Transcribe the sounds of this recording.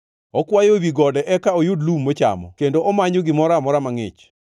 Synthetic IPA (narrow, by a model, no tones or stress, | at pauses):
ɔkwajowiɡɔdɛʔɛkaojʊdlumːot͡ʃa̰mɔ̰kendoʔɔmaɲoɡɪmɔɾamɔɾamaŋɪ̰t͡ʃ